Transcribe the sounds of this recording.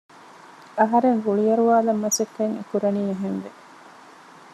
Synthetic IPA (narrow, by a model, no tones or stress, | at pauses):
ɐɦɐɾeŋɡuɭijɐɾuʋaːlɐmːɐsek̪ːeŋḛkuɾɐniːeɦenʋe